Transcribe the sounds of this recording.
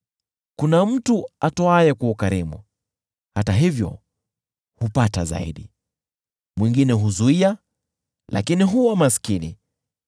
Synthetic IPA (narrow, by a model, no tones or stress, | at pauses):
kunam̩tuatɔajɛkuukaɾimṵ | hataɦivjɔ̰ | hupataza̰ḭɗi | mwiŋɡinɛɦuzuia | lʔa̰kiniɦuwamaskinḭ